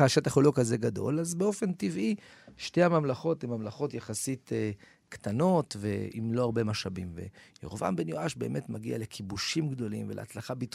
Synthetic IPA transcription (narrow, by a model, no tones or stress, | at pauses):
aʃetaχolokazeɡado̞̰lazbeo̞fe̞ntivʔi | ʃteamamlaχo̞timamlaχo̞tjaχasite | ktano̞tvḛḭmlo̞aʁbe̞maʃabimvḛjo̰ʁva̰nbe̞njoaʃbeːme̞tmaɡiale̞kʰibuʃimɡdo̞limvelʔeat͡slaχabit